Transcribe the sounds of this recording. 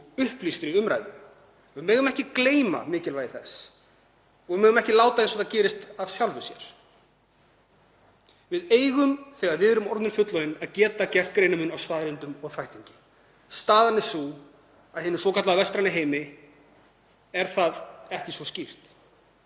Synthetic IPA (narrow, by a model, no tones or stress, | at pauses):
ʏhplist̪ɪɾiʏmɾa̰jðʏː | mːœːɣʏmɛhcɪkleːjma̰mɪːcɪlvajðɪθɛs | ɔɣvɪmœːɣʏmɛhcɪlaːwt̪aɪnsɔt̪acɛːɾɪst̪av̥sjawlvʏsjɛ̰ɾ̥ | vɪðeːjɣʏmθɛɣaɾvɪðɛɾʏmɔɾt̪nʏɾfʏt̪lɔɪnaðcɛːt̪acɛr̥t̪̚kɾeːjnʏmʏnawst̪aːðɾɪnt̪ʏmɔɣθvajht̪iɲcɪ̥ | st̪aːðanːɪsu | aðhɪnʏsvɔkʰat̪laðavɛst̪ɾanɪɦeːjmɪ | ɛɾ̥θaðɛhcɪsvɔscir̥t̪